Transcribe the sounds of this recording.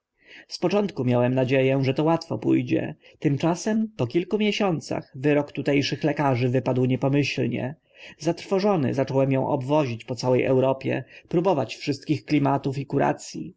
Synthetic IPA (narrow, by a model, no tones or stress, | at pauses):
spɔt͡ʂɔnt̪kumʲjawɛmnad͡ʑejɛ̃ʐɛt̪ɔwat̪fɔ̰pṵjd͡ʑɛ̰t̪ɘmt͡ʂasɛmpɔkʲilkumʲjɛɕɔnt̪sa̰xvɘɾɔkt̪ut̪ɛjʂɘxlɛkaʐɘvɘpad̪wɲɛpɔmɘɕlɲɛ̰ | zat̪ɾfɔʐɔnɘ̰zat͡ʂɔwɛmjɔ̃w̃ʔɔ̰bvɔʑit͡ɕpɔt̪sawɛjʔɛ̰wɾɔpʲjɛ̰pɾubɔvat͡ɕfʂɘst̪kʲixklʲimat̪ufikuɾa̰t̪sʲjḭ